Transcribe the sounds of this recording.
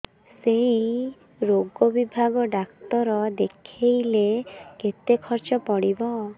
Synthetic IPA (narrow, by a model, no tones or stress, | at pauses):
sei | ɾoɡɔbibʱaɡɔɖakt̪ɔɾɔd̪ekʰejleket̪ekʰɔɾt͡ʃɔpɔɽibɔ